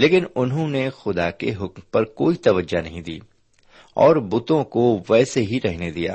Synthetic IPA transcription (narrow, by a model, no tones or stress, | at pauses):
leːkɪnʊnɦõnexʊd̪akḛɦʊkmpɐɾkoːit̪ɐʋəd͡ʒanɐɦĩd̪ḭː | ɔːɾbʊt̪õkoʋɛːseɦiɾɛɦned̪ija̰ː